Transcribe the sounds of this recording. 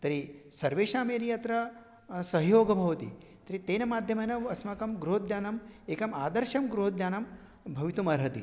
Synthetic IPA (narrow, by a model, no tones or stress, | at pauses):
t̪ɐɾisɐɾʋeːʃaːmeːɾijɐt̪ɾɐ | sɐɦjoːɡɐbʱɐʋɐt̪ḭ | t̪ɐɾit̪eːnɐmaːd̪ʱjɐmɐːnɐʋɐsmɐkɐmɡɾuɦod̪jaːnɐmeːkɐmaːd̪ɐɾʃɐmɡɾuɦotd̪jaːnɐm | bʱɐʋit̪umɐɾɦɐt̪ḭ